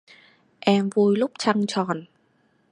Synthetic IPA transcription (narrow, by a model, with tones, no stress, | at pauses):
ʔɛ˧mvu˧jlʊ˦˥k͡p̚t͡ɕa˧ŋt͡ɕɔ˨˩n